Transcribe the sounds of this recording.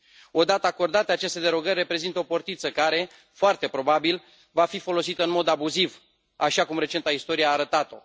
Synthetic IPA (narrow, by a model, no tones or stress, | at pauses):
o̞d̪at̪əako̞rd̪at̪eat͡ʃest̪e̞d̪e̞ɾo̞ɡərʲːe̞pɾe̞zint̪əopo̞rt̪it̪səkaɾe̞ | foart̪e̞pɾo̞babil | vafifo̞lo̞sit̪əɨnmo̞d̪abuziv | aʃakumɾe̞t͡ʃe̞nt̪aist̪o̞ɾieaːɾət̪at̪o̞